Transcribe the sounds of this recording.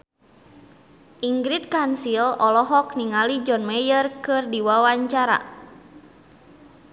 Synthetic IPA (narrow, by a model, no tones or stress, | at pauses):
ʔiŋɡɾit̪̚kansilɔlɔɦɔk̚niŋalid͡ʒɔnmɛjərkɨrdiwawaɲt͡ʃaɾa̰